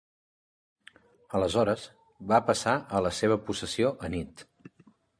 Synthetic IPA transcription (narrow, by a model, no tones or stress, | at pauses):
ələzɔɾəz | βapəsaʔələseβ̞əpusəsioʔənit̪